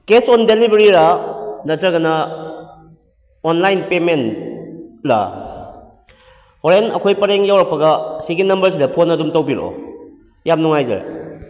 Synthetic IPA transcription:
kesondelibeɾiɾanɐtɾɐɡɐnɐ | onlajnpemen | la̰ | hoɾenɐ̰kʰojpɐɾeŋjawɾɐk̚pɐɡɐsiɡinɐmbɐɾs̬idɐpʰonɐdumtɐwbiɾo̰ | jamnuŋajzḛɾa̰

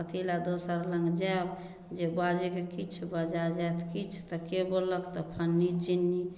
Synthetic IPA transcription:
pət̪ʰilad̪osəɾləŋɡd͡ʒɛb | d͡ʒebad͡ʒikekit͡ʃʰbəd͡ʒad͡ʒat̪ʰkit͡ʃʰt̪əkebəlːəkt̪ɔpʰənːid͡ʒinːi

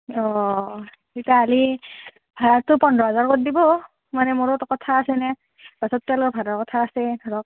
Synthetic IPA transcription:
ɔ | itaːli | bʱaɾatːʊpɔndʱɔɦazaɹkot̚dibɔ | manɛmoɹotkɔtʰaːsɛnɛ | b̥asɔtːalɔbʱadaɹkɔtʰaːsɛdʱɔɹɔk̚

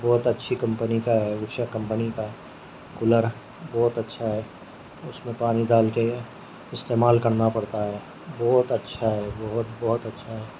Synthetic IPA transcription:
bɔːt̪ɐtːʃʰikɐ̃mpənikaɦɛʋʊʃakɐ̃mpənikaɦ | kʊləɾ | bɔːt̪ɐtːʃʰaɦɛː | ʊsmẽpaːnid̪aːlke | ɪst̪eːmaːlkɐɾnapɐɽt̪aɦɛː | bɔːt̪ɐtːʃʰaɦɛːbɐɦʊt̪bɔːʊt̪ɐtːʃʰaɦɛː

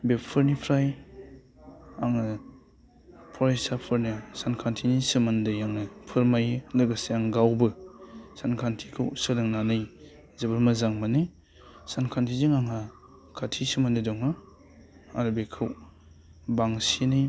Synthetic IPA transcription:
beppʰɯɾnipʰɾaj | aŋɯ | pʰɔɾajsapʰɯɾnisankʰantʰinisɯmandɯjaŋnɯpʰɯɾmajlɯɡaseaŋɡawbɯsankʰantʰikʰɯwsɯlɯŋnanɯj | zɯbɯɾmɐzaŋmanɯ | sankʰantʰizɯŋaŋa | kʰatʰisɯmandɯdɔŋɯ | aɾɯbekʰɯw | baŋsinij

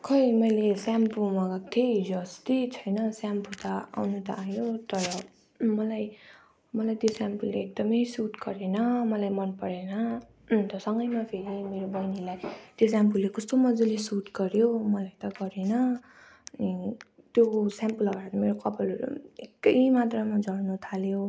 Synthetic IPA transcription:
kʰʌmʌjlesampumʌɡʌk̚t̪ʰeid͡zoʌst̪it͡sʰʌjnʌsamput̪ʌa̰wnut̪ʌajot̪ʌɾʌ | mʌlaj | mʌlajt̪josampulːeek̚d̪ʌmʌjsuʈɡʌɾenʌmʌlajmʌnpʌɽenʌ | t̪ʌsʌŋɡʌjmapʰeɾimeɾobʌjnilajt̪jos̬ampulːekʌst̪omʌd͡zulesuʈɡʌɾjomʌlajt̪ʌɡʌɾenʌ | t̪josampulʌɡaaɾʌmeɾokʌpʌlʌɾṵekːʌɦmat̪ramad͡zʌɽnut̪ʰaljo

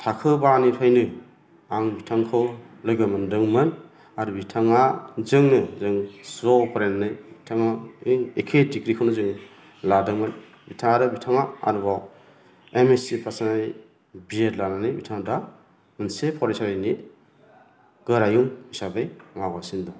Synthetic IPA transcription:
tʰakʰɯbanipʰajnɯ | aŋbitʰaŋkʰɯwlɔjɡamɯndɯŋmɯn | aɾubitʰaŋazɯŋnɯzɯŋsɾɔpʰɾenanɯjbitʰaŋaiŋekʰedikɾikʰawnɯzɯŋ | ladɯŋmɯn | bitʰaŋaɾɯbitʰaŋaa̰ɾubaw | emesipʰasanaj | bijetlananɯjbitʰaŋda | mɯnsepʰɔɾajsaɾajni | ɡ̥ɯɾajuŋisabajmaɡasindɔ

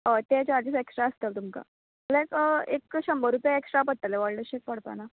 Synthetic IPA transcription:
ət̪et͡ɕad͡ʑiseksʈɾaəst̪əlt̪umka̰ | lajkəekɕəmbəɾupjaeksʈɾapəɽ̚t̪ːaleʋaɭləɕek̚pəɽ̤pa̰na

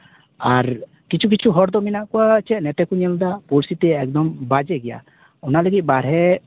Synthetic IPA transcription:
aɾ | kit͡ʃʰuk̬it͡ʃʰuɦɔɾd̪ɔminaʔkuat͡ʃɛʔnɛʈɛkuɲɛld̪apuɾsit̪ɛɛk̚d̪ɔmbad͡ʒɛɡɛja̰ | ɔnaləɡit̪̚ˀbaɾɦɛ

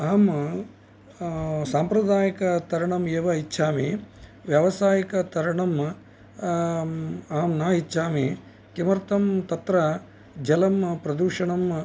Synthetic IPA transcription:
aːm | saːmpɾɐd̪aːjɐkɐt̪ɐɾɐɳɐmeːʋɐitːʃʰaːmiʋjɐʋɐsaːjɐkɐt̪ɐɾɐɳɐm | aːmnaːɦitːʃʰaːmi | kimɐɾt̪ɐmt̪ɐt̪ɾɐ | d͡ʒɐlɐmpɾɐd̪uːʂɐɳɐm

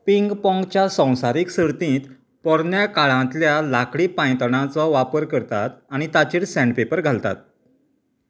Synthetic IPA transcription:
piŋɡpɔ̃ŋɡt͡ɕjasə̃w̃saɾiːksəɾt̪ĩːt̪ | pɔɾɳjakaɭãt̪ljalakɽipãj̃t̪ɳ̃ãt͡sɔʋapəɾkəɾt̪at̪aɽ̃it̪at͡ɕiːɽsæ̃ɳɖpepəɾɡʱalt̪a̰t̪̚

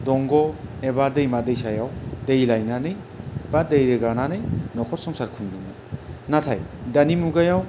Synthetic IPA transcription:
dɔŋɡɔebadejmadejsajawdejlajnanɯj | b̥adejɾɯɡananɯjnɔkʰɔt̚sɔŋsaɾkʰundɯnɯ | natʰajdanimuɡajaw

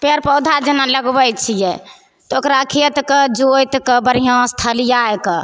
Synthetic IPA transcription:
peɾpəwd̪ʱad͡ʒənaləɡbəjt͡ʃʰijɛ | t̪ɔokɾakʰiət̪kəd͡ʒojt̪kəbəɾiɦãst̪ʰəlijaekə

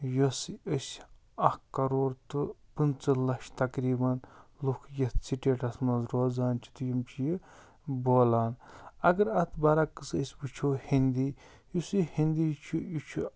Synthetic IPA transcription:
josiəsʲ | ɐhkɐɾoːɾt̪ɨpɨnt͡sɐlɐʃt̪ɐkɾiːbɐnlukʰjɐt̪ʰt͡sʰiʈeːʈʰɐsmɐzɾoːzaːnt͡ʃʰi̥t̪ujimt͡ʃʰiji | boːlaːnɐɡɐɾɐt̪ʰbɐɾɐkɨsəsʲbɨt͡ʃʰoːhind̪iː | jusihind̪ijt͡ʃʰujut͡ʃʰu

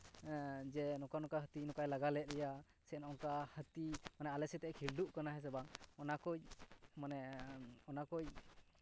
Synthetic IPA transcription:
d͡ʒɛnɔkanɔkaɦət̪inɔkajlaɡalɛt̪̚lɛja | sɛnɔŋkahət̪imanɛalɛsɛt̪ɛkʰiɾɖuʔkanaɦɛs̬ɛbaŋɔnakɔjmanɛɔnakɔj

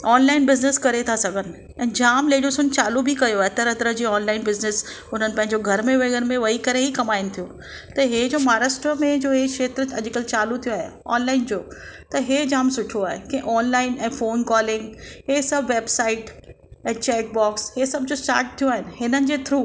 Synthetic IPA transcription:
ɔːnlaːɪnbɪznɪskɐɾet̪ʰasɐɡʱənɪ̆ | ɛ̃ːd͡ʑaːmleːɽijosʊnt͡ɕaːlubʱikɐjoaːɦet̪ɐɾɦɐt̪ɾəd͡ʑiːɔːnlaːɪnbɪznɪs | ʊn̤ənɪ̆pɐ̃ɦɪ̃ɲd͡ʑoɡʱɐɾmẽʋeɡəɾmẽʋɐɦikɐɾeɦikɐmaːɪnɪ̆t̪ʰijõ | t̪ɐɦed͡ʑoːmaːɾasʈɾəmẽd͡ʑoːɦeʃeːt̪ɾəɐʄkəlt͡ɕaːlut̪ʰijoaːɦḛɔ̰ːnlaːɪnd͡ʑoːt̪ɐɦed͡ʑaːmsʊʈʰoaːɦḛkɛ̃ʔɔːnlaːɪnɛ̃ːfoːnkɔːlɪ̃ŋɡɦesɐbʋeːbsaːɪʈ | ɛ̃ːt͡ɕɛːk̚bɔːkshesɐb̚d͡ʑoːsʈa̰ːɾʈ̚t̪ʰːijoaːɦɪnɪ̆ɦɪnənɪ̆d͡ʑeːt̪ʰɾuː

